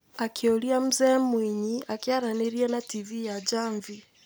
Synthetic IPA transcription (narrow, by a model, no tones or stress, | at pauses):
akiuliam̩zɛːmwiɲiakiaɾanɛɾianativijad͡ʒaɱvi